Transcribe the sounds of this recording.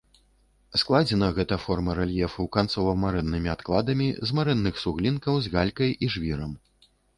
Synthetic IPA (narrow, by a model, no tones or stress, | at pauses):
sklˠad͡zʲɛnɐɣɛt̪ɐfɔrmɐɾɛlʲjɛfuwkant̪sɔvɐmaɾɛnːɨmʲiat̪klˠad̪ɐmʲizmaɾɛnːɨxsuɣlʲinkɐwzɣalʲkɐjʔiʐvʲiɾɐm